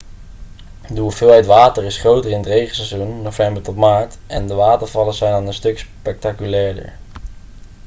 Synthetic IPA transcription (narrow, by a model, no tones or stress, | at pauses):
dəuvɪːlˠɦɛjtʋaːtəɹɪsχrowtəɹɪnətrejχəl̩ˠsɛzunːowvɛmbəɹtɔtmaːɹtɛndəʋaːtəɹv̥ɑləzɛjnaːnənstɵkspɛk̚takylɛːɹdə̰ɹ